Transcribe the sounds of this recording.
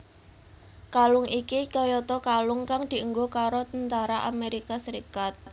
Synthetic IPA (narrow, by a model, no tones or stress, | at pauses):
kalʊŋʔikikɔjɔt̪ɔkalʊŋkaŋd̪̥i̤uŋɡokaɾot̪ənt̪aɾaʔameɾikasəɾikat̪̚